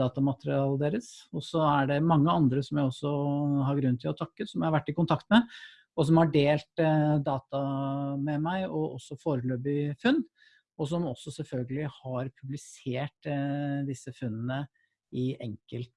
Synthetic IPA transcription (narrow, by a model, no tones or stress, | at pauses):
ɑːt̪ɑmɑt̪əɾɪɑːləd̪eːɾəsɔsɔæɖɛmɑŋːəɑnd̪ɾəsɔmjæɪɔsːɔhɑɾɡɾʉnːt̪ʰɪlɔt̪ʰɑkːəsɔmjæɪhɑʋæʈːɪkʊnt̪ʰɑkt̪mɛ | ɔs̬ɔmhɑɖeːlt̪d̪ɑːt̪ɑmɛmæɪɔʔɔ̰sːɔfoːɾəløːbɪfʉnː | ɔs̬ɔmɔsːɔsɛlfœlɡəlɪhɑɾpʰʉblɪseːʈd̪ɪsːəfʉnːənə | ɪʔɛŋkəlt̪